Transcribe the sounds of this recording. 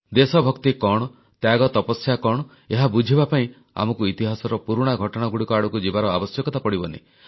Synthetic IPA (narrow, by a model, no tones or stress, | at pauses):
d̪esɔbʱɔkt̪ikɔɽ̃ɔ | t̪jaɡɔt̪ɔpɔsjakɔɽ̃ɔ | eɦabud͡ʒʱibapaĩ | a̰mɔkuit̪iɦasɔɾɔpuɾuɽ̃aɡʱɔʈɔɽ̃aɡuɽikɔaɽukud͡ʒibaɾɔa̰bɔsjɔkɔt̪apɔɽibɔnḛ